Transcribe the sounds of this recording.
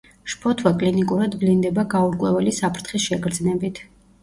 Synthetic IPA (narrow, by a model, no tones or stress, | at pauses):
ʃpʰɔt̪ʰwakʼlinikʼuɾad̪blind̪ɛbaɡauɾkʼwɛvɛlisapʰɾt̪ʰχisʃɛɡɾd̪znɛbit̪ʰ